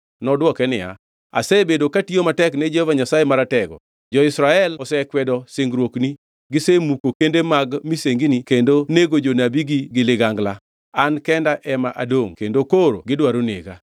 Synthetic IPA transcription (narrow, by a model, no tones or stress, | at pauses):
nɔdwɔkɛnɪ̰ja̰ | a̰sebedokatiomatɛknɛd͡ʒeovaɲasaemaɾatɛɡɔ̰ | d͡ʒɔɪsɾaɛlɔsɛkwɛdɔseŋɡɾwokni | ɡɪsemukokendemaɡmiseŋɡinikendoneɡod͡ʒonabiɡiɡɪlɪɡaŋɡla | ankɛndaʔɛmaʔadoŋkendokoɾo̰ɡɪdwaɾonḛɡa̰